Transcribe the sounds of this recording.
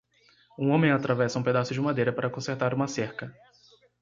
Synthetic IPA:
ũõmẽj̃at̪ɾavɛsɐũped̪asʊd͡ʒɪmad̪ejɾɐpaɾɐkõseɾt̪aɾũmɐseɾkɐ

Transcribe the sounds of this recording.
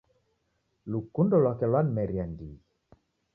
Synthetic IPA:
lukundɔlwakɛlwanmɛɾiandḭ

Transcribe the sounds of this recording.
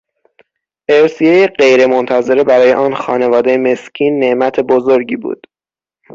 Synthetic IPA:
ʔe̞ɾsijejeɢe̞jɾe̞mont̪ʰæze̞ɾe̞bæɾɒːjeʔɒːnxɒ̰ːne̞vɒːd̪e̞jeme̞scʰiːnːe̞ʔmæt̪ʰe̞bozoɾɟḭːbṵːd̪̥

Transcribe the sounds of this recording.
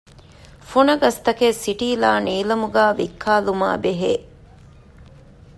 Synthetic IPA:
funɐɡɐst̪ɐkesiʈiːlaːniːlɐmuɡaːʋikʰːaːluma̰ːbeɦeː

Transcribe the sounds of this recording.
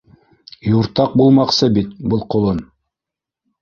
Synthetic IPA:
juɾt̪ɑq̚bulˠmɑqsɤbit̪bɤlˠqŏlˠɤn

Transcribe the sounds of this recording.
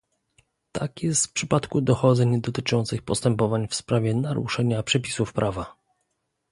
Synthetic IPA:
t̪a̰kjɛst̪fpʂɘpat̪kud̪ɔxɔd̪zɛɲd̪ɔt̪ɘt͡ʂɔnt̪sɘxpɔst̪ɛmpɔvaɲfspɾavʲɛnaɾṵʂɛɲapʂɛpʲi̥sufpɾʔava

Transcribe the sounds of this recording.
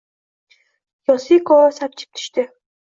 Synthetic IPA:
jɒsikʰɒɾasap̚t͡ʃʰɪ̥p̚t̪ʰʊ̥ʃt̪ɪ

